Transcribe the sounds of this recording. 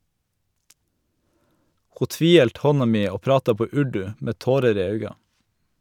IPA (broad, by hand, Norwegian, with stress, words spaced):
ˈhuː ˈtʋiːˌhɛlt ˈhɔnɑ ˈmiː ˈoː ˈpɾɑːtɑ ˈpoː ˈʉɖʉ ˈmeː ˈtoːɾəɾ ˈiː ˈɑʉɡɑ